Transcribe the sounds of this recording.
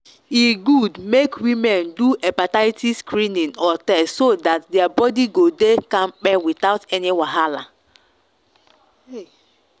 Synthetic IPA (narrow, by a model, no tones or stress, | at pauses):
iɡudmekwimɛnduʔɛpataɪtiskɾĩnĩnɔtɛssodatdɛabɔdiɡodekãmk͡pɛwit̪aʊtɛniwaɦala